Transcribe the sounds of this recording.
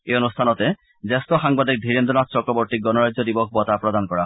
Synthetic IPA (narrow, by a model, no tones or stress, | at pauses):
eɔnust̪ʰanɔt̪e | zest̪ɔxaŋbad̪ik̚d̪ʱiɾend̪ɔnast͡ɕɔkɾɔbɔɾt̪ik̚ɡɔnɔɾajd͡ʑɔd̪ibɔk̚ʰbɔt̪apɾɔd̪ankɔɹa